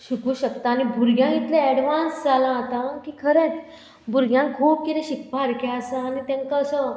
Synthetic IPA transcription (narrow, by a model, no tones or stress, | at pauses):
ɕikuːɕəkt̪aːɽ̃ibʱuɾɡjãit̪lẽɛɽʋãnsd͡zalãat̪akiːkʰəɾet͡s | bʱuɾɡjãŋkʰuːp̚kit̪ẽɕikʰpaɾkeəsəanit̪ẽŋkaəsə